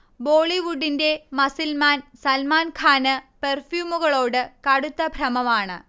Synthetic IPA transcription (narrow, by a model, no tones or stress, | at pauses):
bo̞ːɭiʋuɖːinde̞mɐsilmaːnsɐlmaːnkʰaːnɨperfjuːmuɣɐɭo̞ːɽɨkɐɽut̪ːɐbʱrɐmɐmaːɳɨ̰